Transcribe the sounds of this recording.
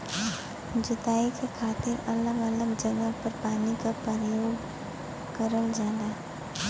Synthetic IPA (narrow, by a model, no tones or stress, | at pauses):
d͡ʒʊt̪aːikekʰaːt̪ɪɾɐləɡələɡd͡ʒəɡəpəɾpaːnikapəɾəjoːɡ | kəɾəld͡ʒaːd̪a